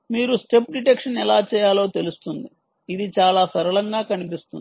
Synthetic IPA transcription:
miːɾusʈe̞p̚ɖiʈekʂɐnɛlaːt͡ʃɛːjaːlo̞ːt̪e̞lust̪und̪i | id̪it͡ʃaːlaːsɐɾɐɭɐŋɡaːkɐnipist̪un

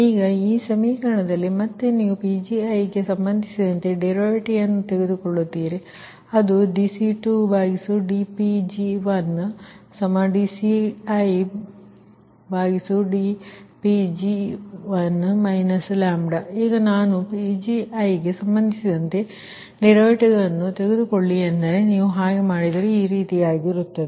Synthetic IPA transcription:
iːɡɐiːsɐmiːkɐɾɐɳɐd̪ɐlːimɐt̪ːenijupid͡ʒiɐjɡesɐmbɐnd̪ʱisid̪ɐnt̪e̞ɖeɾoːɾiʈiɐnːut̪eɣed̪ukoɭːut̪ːiːɾe | ɐd̪uɖisiʈubʱaːɡisuɖipid͡ʒiʋɐnːsɐmɐɖisiɐj | bʱaːɡisuɖipid͡ʒiʋɐnːmɐjnɐslaːmɖɐiːɡɐnaːnupid͡ʒiɐjɡesɐmbɐnd̪ʱisid̪ɐnt̪e̞ | niɾoːɾiʈiɡɐɭɐnːut̪e̞ɡed̪ukoɭːiɐnd̪ɐɾeniːʋuɦaːɡemaːɽid̪ɐɾeiːɾiːt̪ijaːɡiɾut̪ːɐd̪e

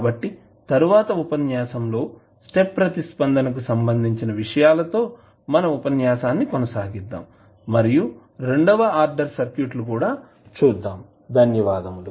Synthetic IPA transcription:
bɐʈːi | t̪ɐɾuʋaːt̪ɐupɐnjaːsɐmlo̞ː | sʈe̞pːɾɐt̪ispɐnd̪ɐnɐk̬usɐmbɐnd̪ʱiɲt͡ʃinɐʋiʂɐjaːlɐt̪o̞ː | mɐnɐupɐnjaːʃaːnːikonɐsaːɡid̪ːa̰ːm | mɐɾiju | ɾe̞ɳɖɐʋɐaːɾɖɐɾsɐɾkjuːʈlukuːɽaː | t͡ʃuːd̪ːaːm | d̪ʱɐnjɐʋaːd̪ɐmlu

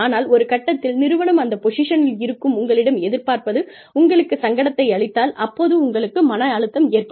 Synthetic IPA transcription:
aːnaːlɔɾɯkɐʈːɐt̪ːɪlnɪɾɯʋɐɳɐmɐnd̪ɐpɔʂɪʂɐnɪlɪɾɯkːɯmʊŋɡɐɭɪɽɐmɛðɪɾpaːɾpɐðɯ | ʊŋɡɐɭɯkːɯsɐŋɡɐɽɐt̪ːɐɪɐɭɪt̪ːaːlɐpːoːðɯʊŋɡɐɭɯkːɯmɐnɐaːɻɯt̪ːɐmɪːrpɐ

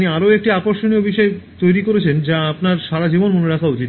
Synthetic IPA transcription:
niaɾoek̚ʈiapoɾʃoniobʱiʃɔet̪ojɾikoɾet͡ɕʰend͡ʑaapnaɾʃaɾad͡ʑibonmoneɾakʰaɦut͡ɕit̪

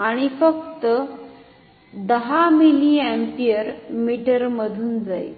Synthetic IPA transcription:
aɽ̃ifək̚t̪ə | d̪əɦamiliæ̃mpiəɾmiʈəɾməd̪ʱuːnd͡zaj̰

